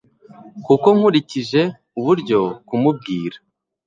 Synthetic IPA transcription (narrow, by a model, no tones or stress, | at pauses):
kuko̞ŋ̥huɾiciʒe̞ | uβuɾɟo̞kumub̚ɡiːɾḁ